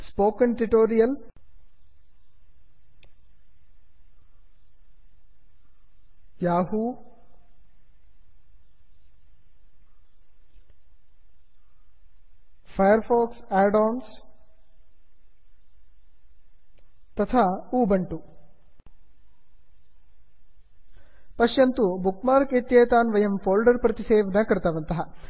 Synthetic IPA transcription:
spoːkənʈuʈoːɾijɐl | jaːɦu | pʰɐjɐɾpʰoːksaːɖoːns | t̪ɐt̪ʰaːuːbɐɳʈu | pɐʃjɐnt̪ubukmaːɾkit̪jeːt̪aːnʋɐjɐmfʰoːlɖɐɾpɾɐt̪iseːʋɐnɐkɐɾt̪ɐʋɐnt̪ɐɦɐ

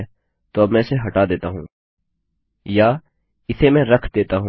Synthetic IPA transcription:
t̪oɐbmɛ̃ːseɦɐʈad̪eːt̪aɦũː | jaː | ɪsemɛ̃ːɾɐkʰd̪eːt̪aɦũ

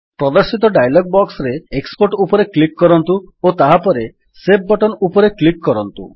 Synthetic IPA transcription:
pɾɔd̪ɔɾsit̪ɔɖajlɔɡ̚bɔksɾeekspoɾʈupɔɾeklikːɔɾɔnt̪uot̪aɦapɔɾe | seb̚bɔʈɔnupɔɾeklikːɔɾɔnt̪ṵ

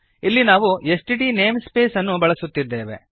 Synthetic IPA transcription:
ilːinaːʋuesʈiɖine̞ːmspe̞ːsɐnːubɐɭɐsut̪ːid̪ːe̞ːʋe̞̰

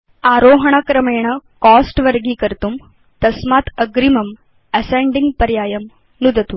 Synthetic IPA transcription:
aːɾoːɦɐɳ̃ɐkɾɐmeːɳ̃ɐkɔːsʈʋɐɾɡiːkɐɾt̪um | t̪ɐsmaːt̪ɐɡɾimɐm | ɐsẽɳɖiŋɡ̚pɐɾjaːjɐm | nud̪ʱɐt̪u

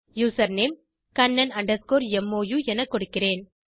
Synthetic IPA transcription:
juːsɐɾneːm | kɐnːɐnɐɳɖɐskoːɾɛmːoːjuɛnɐkːɔɽɯkːɪreːn

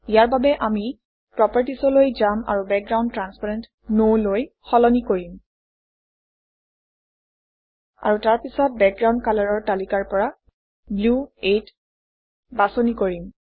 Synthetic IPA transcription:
ijaɹbabɛʔami | pɹɔpaɹtisɔlojzama̰ɹubɛk̚ɡɹaw̃ndtɹanspaɹɛnt | nowloj | xɔlɔnikoɹim | a̰ɹutaɹpisɔt̚bɛk̚ɡɹaw̃nkalaɹɔɹtalikaɹpɔɹa | bluet | basɔnikoɹim

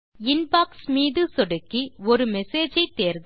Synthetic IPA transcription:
ɪnpaːksmiːðɯsɔɽɯkːiɔɾɯmɛseːd͡ʒɐɪt̪ːeːɾðɯ

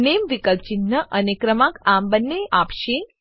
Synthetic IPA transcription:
nemʋikəl̚t͡ʃinːəʔənekɾəmãkambənːeʔapʃe

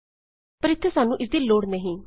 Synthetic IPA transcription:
pəɾɪt̪ʰːəsaːnũːʔɪsd̪iːloːɽneɦĩː

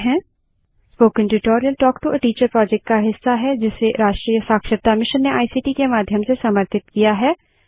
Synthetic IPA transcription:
ɦɛ̃ː | spoːkɪ̃nʈɪʈoːɾijəlʈɔːkʈ̪uʔəʈiːt͡ʃəɾpɾɔːd͡ʒɛk̚ʈ̚kaɦɪsːaɦɛd͡ʒɪseɾaːʃʈɾiːjəsaːkʃəɾ̚t̪amɪʃənːeaːisiːʈikemaːd̪ʱjəmsesɐməɾt̪ɪt̪̚kijaɦɛː

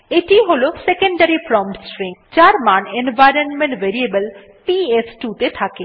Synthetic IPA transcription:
eʈiɦolosekeɳɖaɾipɾɔmʈsʈɾĩŋd͡ʑaɾmanenʋajɾonmẽɳʈʋeɾiebəl | piesʈut̪et̪ʰake

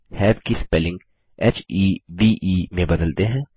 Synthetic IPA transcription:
hɛːbkispɛlɪ̃ŋɡ | ɛːt͡ʃiːʋiːʔiːmẽbɐd̪əlt̪eɦɛ̃ː

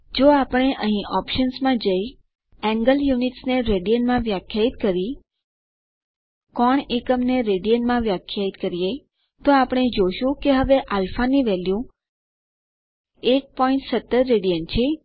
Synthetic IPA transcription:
d͡ʒoapəɽ̃eʔəɦĩʔɔpʃənsmãd͡ʒəj | ɛ̃ŋɡəljuniʈsneɾeɽijənmãʋjakʰjait̪̚kəɾi | kɔɳekəmneɾeɽijənmãʋjakʰjait̪kəɾije | t̪oapɽ̃ed͡ʒoʃũkeɦəʋeʔalfaniʋɛljũ | ek̚pɔiɳʈsət̪ːəɾːeɽijənt͡ʃʰe

